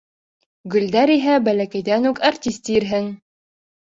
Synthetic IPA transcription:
ɡɵ̆ld̪æɾiɦæbælækæjðænukart̪ʲist̪iɾɦɘŋ

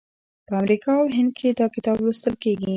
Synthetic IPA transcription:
pəamɾikɑawɦɪnd̪̚kʰed̪ɑkɪt̪ɑbwust̪əlkeɡi

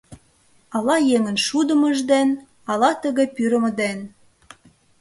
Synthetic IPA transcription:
ɑlɑjeŋə̆nʃud̪ə̆mə̆ʒd̪en | ɑlɑt̪əɣĕpyɾə̆mə̆d̪en

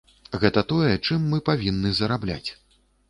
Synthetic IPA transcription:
ɣɛt̪ɐt̪ɔjɛt͡ʂɨmːɨpavʲinːɨzɐɾablʲa̰t͡sʲ

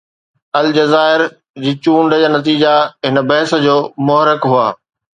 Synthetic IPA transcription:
ɐld͡ʑɐzaːɪɾ | d͡ʑiːt͡ɕũːɳɖəd͡ʑaːnɐt̪̬iːd͡ʑaɦɪnə̆bɐɦɪsə̆d͡ʑoːmʊɦɾɪkɦuaː

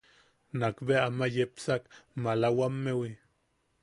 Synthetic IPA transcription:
nakbeamajepsakmalawamːewi

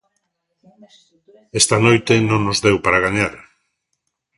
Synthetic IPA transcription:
est̪anojt̪enõŋnozðewpaɾaɣ̞aɲaɾ

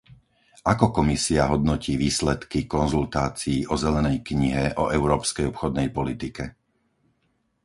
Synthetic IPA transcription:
ʔakɔkɔmisiaɦɔd̪nɔciːʋiːslɛt̪kikɔnzult̪aːt͡siːʔɔzɛlɛnɛjkɲiɦɛʔɔʔɛʊɾɔːpskɛjɔpxɔd̪nɛjpɔlit̪ikɛ

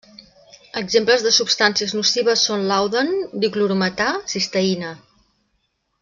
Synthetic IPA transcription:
əɡzempləzðəsupst̪ansiəznusiβ̞əsːonlawðənd̪ikluɾumət̪asist̪əinə

